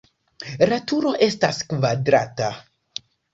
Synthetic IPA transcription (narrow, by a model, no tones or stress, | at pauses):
ɾatuɾo̞ʔe̞staskvadɾata